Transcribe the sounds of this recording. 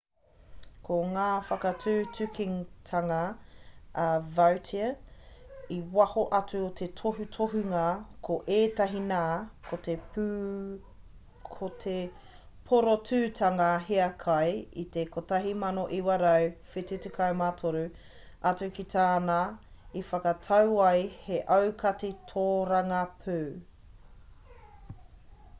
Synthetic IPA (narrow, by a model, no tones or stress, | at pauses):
kʰoŋaːfɐkɐtʰʉːtʰʉkiŋtʰɐŋɐ | vɐwtʰiɐ | iwɐhoʔɐtʉot̪ʰetʰoɦutʰoɦʉŋɐkʰoʔeːtɐɦinaːkʰotepː | kʰotʰe | pʰoɾotʰʉːtʰɐŋɐɦeɐkʰɐjḭtekotɐɦimɐnoʔiwɐɾɐwfititukʰɐwmatʰoɾu | ɐtʉkit̪aːnaifɐkɐtʰɐwɐjheʔɐwkʰɐtitʰoːɾɐŋɐpʰʉː